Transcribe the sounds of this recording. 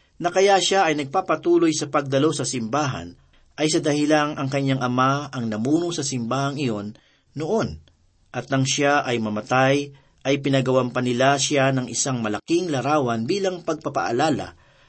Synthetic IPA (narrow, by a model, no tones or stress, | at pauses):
nɐkɐjaʃaɐjnɐɡ̚papɐt̪uːlo̞jsɐpɐɡ̚d̪ɐlo̞sɐsɪmbaːɦɐ̰n | ʔɐjsɐd̪ɐhɪlaŋʔɐŋkɐɲːaŋʔɐmaɐŋnɐmuːnosɐsɪmbaːhɐŋɪjo̞nː | oʔo̞n | ʔɐt̪̚nɐŋʃaʔɐjmɐmɐt̪aj | ʔɐjpɪnɐɡɐwampɐnɪlaʃanɐŋʔɪsaŋmɐlɐkiŋlɐɾaːwɐnbiːlɐŋpɐɡ̚pɐpa̰ʔa̰laːla̰